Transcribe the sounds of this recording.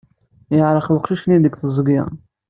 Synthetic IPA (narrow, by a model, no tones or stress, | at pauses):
jəʕɾˤəχwəqʃiʃnid̪əɡθəzˤɡjɑ̰